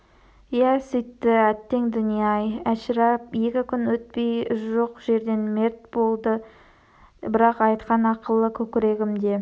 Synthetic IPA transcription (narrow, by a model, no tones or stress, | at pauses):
jæsijt̪ːɪæt̪ːe̞ŋd̪ʏnijɑjæʃɾɑpje̞kʲɪkʲʰʏnwɵt̪̚pe̞jʒoqʒe̞ɾd̪e̞nme̞ɾt̪̚bo̞lˠd̪ə | bɪɾɑqɑjt̪qɑnɑqəlˠəkʲʰɵkʲɪɾe̞ɡʲɪmd̪e̞